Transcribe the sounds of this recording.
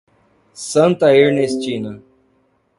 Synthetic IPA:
sɐ̃nt̪ɐeɾnest͡ʃĩnɐ

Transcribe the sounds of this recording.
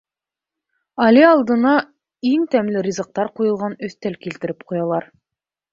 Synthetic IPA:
ɑlʲiɑlˠd̪ɤ̆nɑ | iŋt̪æmlɘɾʲizɤ̆q̚t̪ɑɾqujɤ̆lˠʁɑnɵ̆θt̪ælkilt̪ɘ̆ɾɘp̚qujɑlˠɑɾ

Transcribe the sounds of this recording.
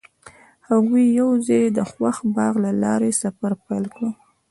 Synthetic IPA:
haɣujawzɑjd̪əxwaxbɑɣlalɑ̰ɾesafaɾpalkɽə

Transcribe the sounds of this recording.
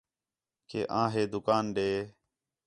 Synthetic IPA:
kḛːʔãːɦeːd̪ʊkaːnɖeː

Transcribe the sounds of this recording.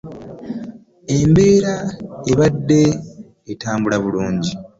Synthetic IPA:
e̞mbe̞ːɾaeβadːe̞ː | taːmbulaβuluːɲɟi

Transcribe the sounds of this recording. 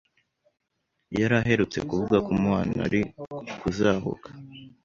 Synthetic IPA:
jaɾaɦe̞ɾut͡se̞̰kuvuɡakumŋaːna̰ɾikuzaːɦo̰kʰḁ

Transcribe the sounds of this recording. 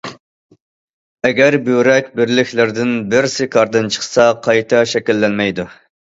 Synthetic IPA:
ɛɡʲæɾbyɾɛkʲbɪɾlɪkʲlɪɾd̪ɪnbɪɾsɪkʰɑɾd̪ɨnt͡ʃʰə̥χsɑqʰɑjt̪ʰɑʃɛkʲilːɛnmɛjd̪u

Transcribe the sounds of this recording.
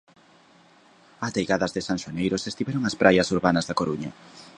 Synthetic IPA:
at̪ejɣaðɐzðɪsanʃonejɾosest̪iβɛɾoŋɐspɾʔajɐsuɾβanɐzðɐkoɾuɲɐ

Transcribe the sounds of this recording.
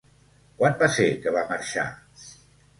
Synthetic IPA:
kwanbasekəβaməɾʃa̰

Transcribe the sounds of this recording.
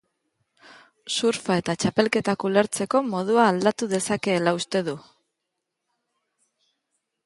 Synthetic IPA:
suɾfae̞t̪at͡ʃape̞lke̞t̪akule̞ɾt͡se̞ko̞mo̞ð̞uaːld̪at̪uðe̞sake̞ːlaust̪e̞ð̞u

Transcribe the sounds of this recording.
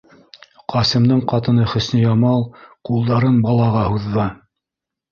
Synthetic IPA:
qʰɑsɘ̆md̪ɤɴqɑt̪ɤ̆nɤχɵ̆snɘjɑmɑlˠqulˠd̪ɑɾɤnbɑlˠɑʁɑhuðːɑ

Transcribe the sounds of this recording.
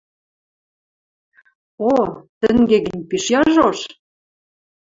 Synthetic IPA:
ot̪ə̆ŋɡeɡə̆nʲpiʃjɑʒoʃ

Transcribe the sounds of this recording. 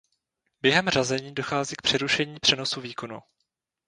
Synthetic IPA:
bjɛɦɛmrazɛɲiːdo̞xaːziːk̚pr̥ɛɾuʃɛɲiːpr̥ɛno̞suviːko̞nṵ

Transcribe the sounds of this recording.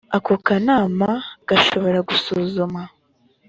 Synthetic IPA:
akokanaːmaɡ̥aʃo̞βo̞ɾaɡusuːzuma

